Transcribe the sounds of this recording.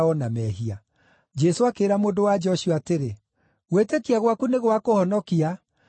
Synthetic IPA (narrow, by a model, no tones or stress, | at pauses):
ɔnamɛɦia | d͡ʑɛsoakeːɾamoːndowad͡ʑɔɕiɔateɾe | ɣwetekiaɣwakuneɣwakohɔnɔkia